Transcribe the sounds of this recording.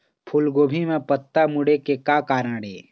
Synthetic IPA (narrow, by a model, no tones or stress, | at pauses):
pʰʊlɡoːbʱimẽpət̪ːamʊɽekekakaːɾaɽeː